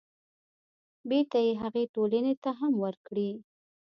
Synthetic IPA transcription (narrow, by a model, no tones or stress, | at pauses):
beɾt̪ajeɦaɣeʈolanet̪aɦamwəɾkɽi